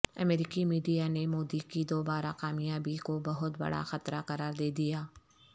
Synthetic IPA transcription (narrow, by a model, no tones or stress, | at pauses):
ɐ̰meːɾɪkimiːɖijanemoːd̪ikid̪oːbaːɾa̰qaːmijaːbʱikobɐɦʊt̪bɐ̰ɽa̰xɐt̪ɾaqɐɾaːɾd̪eːd̪ijaː